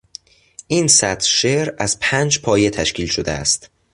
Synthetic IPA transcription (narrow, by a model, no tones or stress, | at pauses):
ʔiːnsæt̪ʃeɾæz̥pʰæːnd͡ʒpʰɒːje̞t̪ʰæʃcʰiːlʃod̪ḛæ̰st̪